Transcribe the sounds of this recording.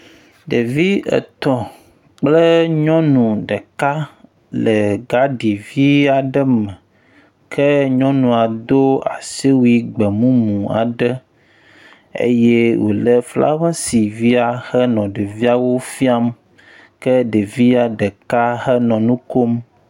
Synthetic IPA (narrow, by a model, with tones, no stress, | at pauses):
ɖe˨vi˦ə̰˨t̪ɔ̃˨ | k͡plə˦ɲɔ̃˦nũ˨ɖə˨ka˦ | lə˨ɡa˦ɖi˨vi˦a˨ɖə˦mə̃˨ | kʰə˦ɲɔ̃˦nũ˨a˨d̪o˦a̰˨si˦wu˦i˦ɡ͡bə˨mũ˦mũ˨a̰˨ɖə˦ | ḛ˦jɛ˦wʔo̰˨lə˦fla̰˦va˦si˨vi˦a˨xɛ˦nɔ̃˨ɖe˨vi˦a˨wo˦fi˦a˦m | kə˦ɖə˨vi˦a˨ɖə˨ka˦hɛ˦nɔ̃˨nũ˦ko˦m